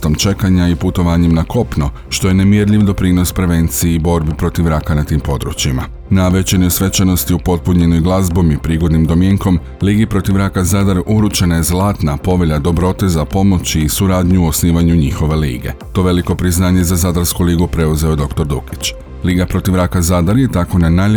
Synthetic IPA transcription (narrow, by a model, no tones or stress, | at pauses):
t̪omt͡ʃe̞kaɲaiput̪o̞ʋaːɲemnako̞pno | ʃt̪o̞je̞ne̞mjeɾʎiʋd̪o̞pɾino̞spɾe̞ʋe̞nt̪sijeibo̞ɾbipɾo̞t̪iʋɾakanat̪iːmpo̞d̪ɾṵt͡ɕima | naʋe̞t͡ɕenosʋe̞t͡ʃano̞st̪iupo̞t̪̚puɲe̞nojɡlˠazbo̞mipɾiːɡo̞d̪nimd̪o̞mjeŋko̞m | liːɡipɾo̞t̪iʋɾakazad̪aɾuɾut͡ʃenaje̞zlˠaːt̪napo̞ʋeʎad̪o̞bɾo̞t̪e̞zapo̞mo̞t͡ɕiːsuɾaːd̪ɲuosniːʋaɲuɲixo̞ʋe̞lḭːɡe̞̰t̪o̞ːʋe̞liko̞pɾiznaːɲe̞zazad̪aɾskuliːɡupɾe̞uze̞od̪o̞kt̪o̞ɾd̪uki̥t͡ɕ | liːɡapɾo̞t̪iʋɾakazad̪aɾje̞t̪ako̞nanaːʎ